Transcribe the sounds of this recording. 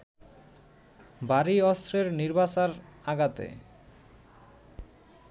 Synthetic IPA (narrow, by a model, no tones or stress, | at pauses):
baɾiɔst̪ɾeɾniɾbasaɾaɡat̪ḛ